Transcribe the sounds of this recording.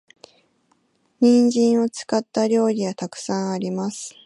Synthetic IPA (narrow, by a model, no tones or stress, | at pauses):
ɲ̟ĩɲd͡ʑĩɰ̃o̞t͡sɨ̥kat̪ːaɾʲo̞ːɾʲiɡat̪akɯ̟̥sãɰ̃aɾʲimasɨ̥